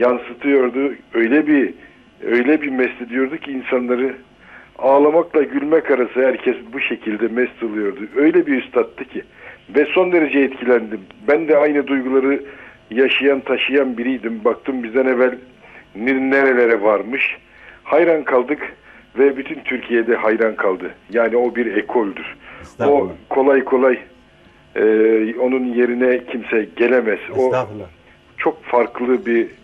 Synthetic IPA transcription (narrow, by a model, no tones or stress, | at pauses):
jansɯt̪ʰɯjo̞ɾd̪ʊø̞jlʲɛbi | øjlʲɛbimɛst̪ɛd̪ijo̞ɾd̪ucʰiːnsanlˠaɾɯ | aːlˠamaklˠaɟylʲmɛkaɾasɯɦæɾcʰɛsbuʃecʰilʲd̪ɛmɛst̪alˠɯjo̞ɾd̪uø̞jlʲɛbiyst̪ʰat̪ːɯcʰi | vɛso̞nd̪e̞ɾed͡ʒɛɛt̪cʰilʲænd̪imbænd̪ɛajnɯd̪ujɡulˠaɾɯ | jaʃajant̪ʰaʃɯjanbiɾijd̪imbak̚t̪ʰɯmbizd̪ɛnɛvælʲ | niɾnːeɾe̞lʲe̞ɾɛvaɾmɯʃ | hajɾankʰalˠd̪ɯk | vɛbyt̪ʰynt̪ʰyɾcʰijed̪ɛhajɾankʰalˠd̪ɯjaːnio̞biɾekʰolʲd̪yɾ̥okʰo̞lˠajkʰo̞lˠaj | o̞nunje̞ɾinɛcʰimsɛɟe̞lʲemɛz̥o̞ | t͡ʃʰo̞kfaɾklˠɯbi